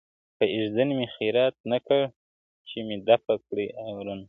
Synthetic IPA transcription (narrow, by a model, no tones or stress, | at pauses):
pəʔɪʒd̪ənmixiɾat̪̚nakəɽ | t͡ʃemed̪afakɽiawɾun